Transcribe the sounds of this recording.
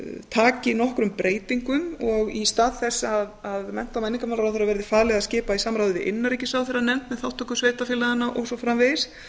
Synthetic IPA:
t̪ʰaːcɪnɔhkɾʏmpɾeːjt̪iŋkʏmɔɣist̪aːðθɛsːaðaðmɛn̥t̪awmɛnːiŋkamawlaɾaθeɾavɛɾðɪfaːlɛɣascɪːpaisaːmɾawðvɪʔɪnːaɾijcɪsawθɪɾanɛm̥t̪mɛðθawht̪ʰːɔkʏsveːjt̪afɪːlaðanːaʔɔ̰wsɔfɾamvɪs

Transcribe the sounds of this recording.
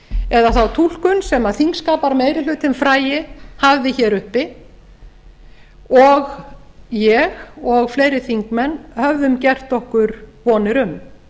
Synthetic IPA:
ɛðaθawt̪ʰul̥kʏnsɛmaðθiŋkskaːpaɾmeːjɾɪl̥ʏːt̪ɪnfɾaːjɪhavðɪçɛɾʏhpɪ | ɔɣjɛɣɔɣfleːjɾɪθiŋkmɛnːhœvðʏmcɛr̥t̪ɔhkʏɾpɔːnɪɾʏm

